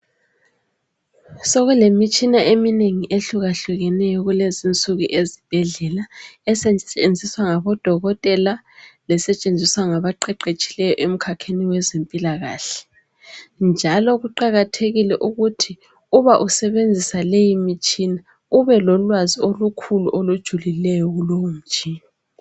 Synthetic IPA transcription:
soɣulemit͡ʃʼinaʔemineŋiʔeɬuɣaɬuɣɛnɛjɔɣulezint͡sʼuɣuʔezib̥ʱɛɮɛlaɛsɛend͡zʱiswaŋaβɔd̥ʱɔɣɔtʼɛla | lɛsɛt͡ʃʼend͡zʱiswaŋaβaǃɛǃet͡ʃʼi̥lɛjɔʔem̩kʰakʰeniwɛzempʼilaɣa̰ːɬɛ̥ | nd͡ʒʱalɔɣuǃaɣatʰeɣilɛʔuɣutʰi | uβaʔusɛβend͡zʱisalejimit͡ʃʼina | uβɛlɔlwaziolukʰuluʔolud̥ʒ̥ʱulilɛjɔɣulowum̩t͡ʃʼiːna

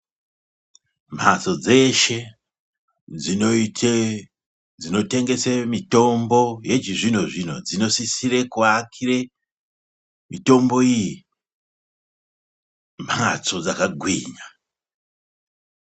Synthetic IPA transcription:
m̤at͡so̞d͡ze̞ʃe̞ | d͡zi | d͡zino̞te̞ŋɡe̞semito̞mbo̞je̞t͡ʃiʐinoʐino̞̰d͡zino̞sisiɾe̞kuakʰire̞ | mito̞mbo̞iji | m̤at͡so̞d͡zakaɡʱwiːɲa

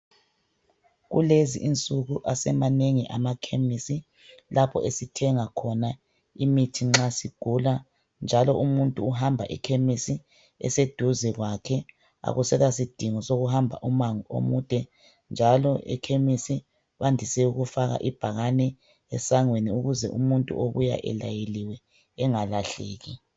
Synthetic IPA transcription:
ɣṵlezḭʔint͡sʼuɣuʔasɛmaneŋiʔamakʰemisi | lapʰɔ̰ʔesitʰɛŋakʰɔna | imitʰiŋ͡ǁasiɡ̥ʱula | nd͡ʒʱalɔʔumuntʼuːɦambʱa̰ʔɛ̰kʰemisi | ɛ̰sed̥ʱuzɛɣwakʰɛ | a̰ɣusɛɣasid̥ʱiŋɔsoɣuɦambʱa̰ʔumaŋuʔo̰muːd̥ʱɛ | nd͡ʒʱalɔʔɛ̰kʰemisi | βandʱisɛuɣufaɣa̰ʔib̥ʱaɣanɛ | ɛsaŋweniuɣuzɛ̰ʔṵmuntʼṵoβuja̰ʔɛ̰lajeliwɛː | ŋalaɬeːɣi

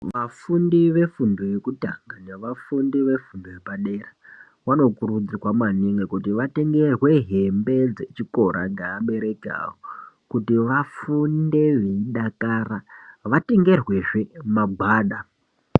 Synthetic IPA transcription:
ʋafundiʋe̞fundoje̞kutaŋɡaɲaʋafundiʋe̞fundojepaɗe̞ra | wano̞kuɾud͡zirwamaniŋɡekutiʋate̞ŋɡerwe̞ɦembe̞d͡ze̞t͡ʃiko̞ɾa̰ŋɡeːɓe̞ɾe̞ka̰wo | kutiʋafunde̞ʋe̞iɗakaːraʋateŋɡe̞rwe̞ʐe̞maɡ͡bʱaːɗa

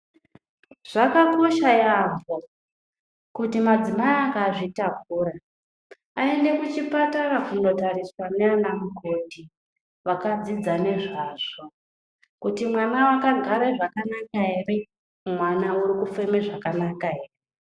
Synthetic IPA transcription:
ʐ̥akako̞ʃajaɱbo | kutimad͡zimajakaːʐitakuːra | ae̞nde̞kut͡ʃipatarakuno̞taɾiswaneanamuko̞ti | ʋakad͡zid͡zane̞ʐaʐo | kutimwanawakaɡʱaɾeʐakanakaɦe̞re̞ | mwanauɾikufe̞meʐakanakaɦeːre

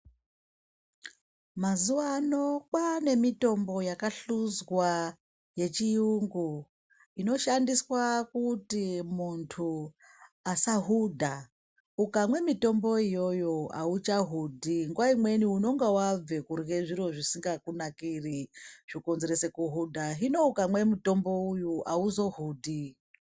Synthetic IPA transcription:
mazuʋaːno̞kwane̞mito̞mbo̞jakaɬuzwa | je̞t͡ʃijuŋɡu | ino̞ʃandiswakutimuntʰu | asaɦudʱa | ukamwe̞mito̞mbo̞ijo̞jo̞a̰ut͡ʃaɦudʱiŋɡuwaimwe̞niuno̞ŋɡawab͡ve̞kuɾɣe̞ʐiɾo̞ʐisiŋɡakunakiriʐ̥iko̞nze̞ɾe̞se̞kuɦudʱaɦino̞ukamwe̞muto̞mbo̞ujuʔauzo̞ɦuːdʱi

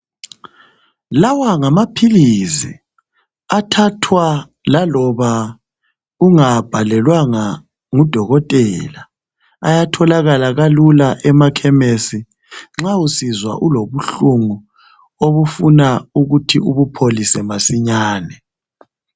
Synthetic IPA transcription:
lawaŋamapʰilisḭ | atʰatʰwa | lalɔβa | uŋab̥ʱalɛlwaŋa | ŋud̥ʱɔɣɔtʼɛla | ajatʰɔlaɣalaɣalulaʔɛmakʰɛmesi | ŋ͡ǁausizwa̰ʔuloβuɬuŋu | oβufunauɣutʰiuβupʰolisɛmasiɲaːnɛ

